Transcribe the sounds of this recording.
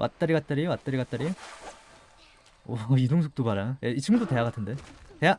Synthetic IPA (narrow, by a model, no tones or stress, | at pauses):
wʔa̰t̚t͈aɾiɡat̚t͈aɾiwat̚t͈aɾiɡat͈aɾi | oidoŋsʰok̚t͈obaɾajeit͡ɕʰɯmɡɯdote̞jaɡatʰɯnde̞te̞ja